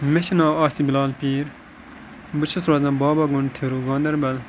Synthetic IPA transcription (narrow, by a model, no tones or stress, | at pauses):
meʃinaːɑːsibilaːlpiːɾ | bɨt͡ʃʰɐsɾaːzɐ̃nbɑːbɐɡunt̪ʰeɾuɡãːnd̪ɐɾbɐl